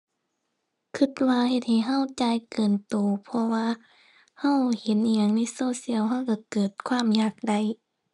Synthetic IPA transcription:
kʰɯ˧˩t̪̚waː˧he˧t̪̚ha˨˩jɦa˧˥˨wt͡ɕaː˧˨jkɤː˨˩nt̪oː˨˦pʰɔ˧waː˧ | ha˧˥˨whe˧˦ni˧˨ɲa˧˦ŋna˧˥˨so˧˩˨si˧˨əwɦa˧˥˨wka˧˩kɤː˨˩t̪̚kʰwaː˧˥˨mjaː˨˩k̚da˧˩j

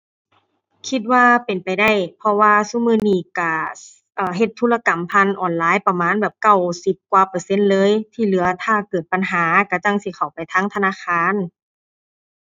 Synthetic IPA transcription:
kʰi˧t̪̚waː˧pe˨npa˨˩jda˧˩˨jpʰɔ˧waː˧su˧˨mɯː˧˥˨niː˧˩ka˧˩ | ʔɤː˧˩ɦe˧˩t̪ʰːuː˧˨la˧ka˨˩mpʰa˧˨nʔɔː˨˩nlaː˨˦˨jpa˧maː˧˥˨nbɛː˨˩p̚ka˧˩˨wsi˧˦p̚kwaː˧pɤː˧˦se˧˥˨nlɤː˧˥˨jt̪ʰiː˧˩lɯ˩˦ɐt̪ʰaː˧˩kɤː˨˩t̪̚pa˨nɦaː˨˦ka˧˩t͡ɕa˧ŋsi˧˦xʰa˨˩wpa˨jt̪ʰaː˧˥ŋt̪ʰa˧naː˧˥˨xʰaː˧˥˨n

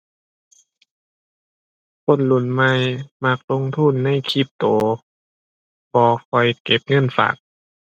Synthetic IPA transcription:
kʰo˧˥˨nlu˧˩˨nma˧˥˨jma˧˩k̚lo˧˥ŋt̪ʰuː˧˥˨nːa˧˥˨jkʰi˧˩p̚t̪oː˨˦ | pʰɔː˧˦kʰɔ˧˩jke˨˩p̚ŋɤ˧˥˨nfa̰ː˨˩k̚

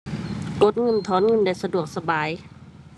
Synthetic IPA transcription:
ko˧˦t̪̚ŋɤ˧˥˨nt̪ʰɔː˨˦nŋɤ˧˥˨nda˧˩˨jsa˧du˨˩ək̚sa˧baː˨˦j

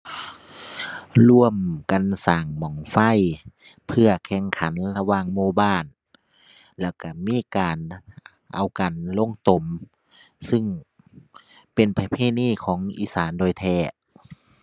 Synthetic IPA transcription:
lu˧əmka˨nsaː˨˩ŋmɔː˨˩ŋfa˧˥˨jpʰɯ˧ɐkʰɛ˧˩˨ŋkʰa˨˦nla˧waː˧˨ŋmoː˧˨baː˧˥˨n | lɛː˧˩wka˧˩miː˧˥˨kaː˨n | ʔa̰˨wka˨nlo˧˥˨ŋt̪o˨˦m | sɯ˧˨ŋ | pe˨npʰa˧pʰeː˧˥˨niː˧˥˨kʰɔː˨˦ŋʔḭː˧˨saː˨˦ndoː˧˨jt̪ʰɛː˧˩

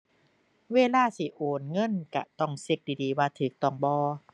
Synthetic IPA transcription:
weː˧˨laː˧˥˨si˧˩˦ʔoː˨˩nŋɤ˧˥˨nka̰˧t̪ɔ˧˩ŋsi˧˦k̚diː˧˩diː˨˦waː˧t̪ʰɯː˨˦k̚t̪ɔ˧˩ŋbɔː˧

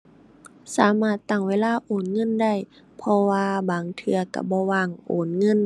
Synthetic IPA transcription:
saː˨˦maː˧˩t̪ːa˧˩ŋweː˧˥˨laː˧˥˨ʔoː˨˩nŋɤ˧˥˨nda˧˩˨j | pʰɔ˧waː˧baː˨˩ŋt̪ʰɯ˧ɐka̰˧˩bɔː˧˦waː˧˩˨ŋʔoː˨˩nŋɤ˧˥˨n

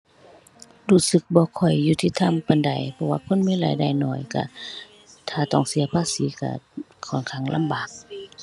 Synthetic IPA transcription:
duː˧˩sɯ˧˦k̚bɔː˧˦kʰɔ˨˩jːuː˧t̪ʰiː˧t̪ʰa˧˥˨mpa˨nda˨˦jpʰɔ˧waː˧pʰo˧˥˨nmiː˧˥˨la̰ː˨˦jda˧˩jnɔː˧˩jka̰˧˩ | t̪ʰaː˧˩t̪ɔ˧˩ŋsi˨˦ɐpʰaː˧˥siː˨˦ka̰˧˩ | kʰɔː˨˩˨nkʰa˧˩˨ŋlʔa̰˧˥˨mbaː˨˩k̚

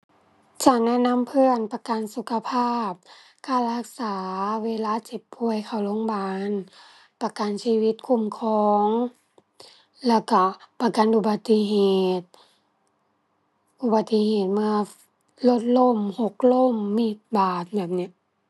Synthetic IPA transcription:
t͡ɕaː˨˩k̚nɛ˧˥˨nːa˧˥˨mpʰɯ˧˥ənpa˧ka˨nsu˧˩kʰa˧pʰaː˥˩p̚ | kʰa˧˩la˧˩k̚saː˨˦weː˧˨laː˧˥˨t͡ɕe˨˧˩p̚pʰːu˧˩əjkʰa˧˩wlo˧˥˨ŋbaː˨˧˦n | pa˧ka˨nsiː˧˨wi˧˦t̪̚kʰu˧˩˨mkʰɔː˧˦ŋ | lɛː˧˩wka˧˩pa˧ka˨nʔu˧˩ba˨˧t̪ːi˧ɦeː˨˩t̪̚ | ʔu˧ba˨˧t̪ːi˧heː˨˩t̪̚ma˧˨ | lo˧t̪̚lo˧˥˨mho˧˦k̚lo˧˥˨mːi˧˩t̪̚baː˨˩t̪̚bɛː˨˩p̚ni˧˥˨ʔ

